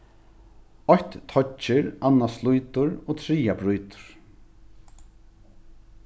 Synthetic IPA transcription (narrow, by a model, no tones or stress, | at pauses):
ɔçt̪t̪ʰɔt͡ʃɪɹanːaslujt̪ʊɾoːt̪ʰɾiːabɾujt̪ʊ̥ɹ̥